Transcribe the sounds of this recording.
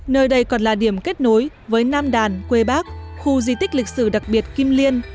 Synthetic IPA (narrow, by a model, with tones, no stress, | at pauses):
nəː˧jɗə˧jkɔ˨˩nlaː˨˩ɗi˧˩əmke˦˥t̚no˨˦j | vəː˨˦jnaː˧mɗaː˨˩nkwe˧ɓaː˦˥k̚xu˧zi˧t̪ï˦˥k̟̚lï˨˩k̚sɨ˧˩ɗa˨˩k̚ɓi˨˩ət̚ki˧mli˧ən